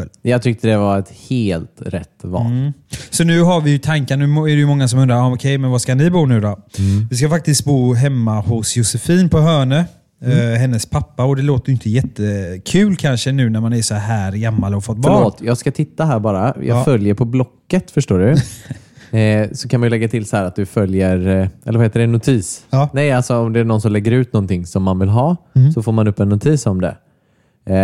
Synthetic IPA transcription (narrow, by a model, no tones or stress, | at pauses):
jɑɡt̪ʰʏk̚t̪əd̪ɛvaɛt̪heːlt̪ɾɛ̰t̪ːvɑ̰sɔnʉ̟ːɦaɾvɪjɵt̪ʰaŋkanʉ̟ːɛɾɛjɵmɔŋːas̬ɔmɵnd̪ɾaɾɑɔkʰɛjmɛnvaskanɪbuːnʉ̟ːd̪ɔvɪskafak̚t̪ɪskt̪̚buːɦɛmːahʊsjʊsɛfiːnpʰɔɦœːɳə | ɦɛnːəspʰapːaɔd̪ɛloːt̪əjʏnt̪əjɛt̪ːəkʰʉ̟ːlkʰanʂənʉ̟ːnæɾmanæsɔɦæːɾɡamːalɔfɔt̪̚ːbfœɭoːt̪ʰjɑːɡskat̪ʰɪt̪ːaɦæːɾbɑːɾajʔɑ̰ːɡfœljəɾpʰɔblɔkːət̪fœʂʈoːɖɵ | sɔkʰanmajʏlɛɡːat̪ʰɪlsɔhæːɾat̪̚d̪ɵfœljəɾʔɛ̰lːɾvaheːt̪əɖɛnːʊt̪ʰiːsnɛjalsɔɔmd̪ɛæɳnɔnsɔmlɛɡːəɾʉ̟ːt̪nɔnt̪ɪŋsɔmːanvɪlɦɑːsɔfoːɾmanɵpːɛnːʊt̪ʰiːsɔmd̪ɛ̰